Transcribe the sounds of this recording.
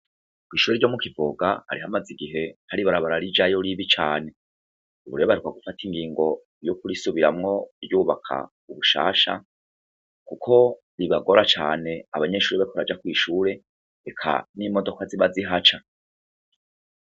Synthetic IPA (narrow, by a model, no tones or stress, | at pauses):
kwiːʃuːɾeɾɟo̞mukivoɡaha̰ɾihamaziɡiɦe̞haɾiβaɾaβaɾaɾid͡ʒajoɾiβit͡ʃaːne̞ | uβuɾejoβaɾikwaɡufatiŋɡiːŋɡo̞ | jokuɾisuβiɾamŋo̞ɾjuːβakʰa̰ | uβuʃa̰ːʃa̰ | kukʰo̞ | ɾiβaɡo̞ɾat͡ʃaːne̞aβaɲe̞ʃuːɾiβakʰoɾad͡ʒakwiːʃuːɾe̞ | ekʰa̰nimo̞do̞kaziβaziɦat͡ʃa